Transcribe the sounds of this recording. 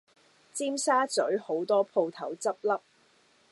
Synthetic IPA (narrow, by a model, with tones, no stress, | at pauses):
t͡siː˥msaː˥t͡sɵ˨˥ɥho˨˥wt̪ɔː˥pʰo˧wt̪ʰɐ˨˥wt͡sɐ˥p̚lɐ˥p̚